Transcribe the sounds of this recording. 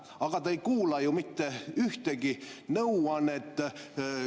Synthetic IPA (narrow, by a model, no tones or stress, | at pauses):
ɑɡ̥ɑt̪ɑejkuːlɑjumit̪ːeyht̪eɡinɤwɑne̞t̪ːˑ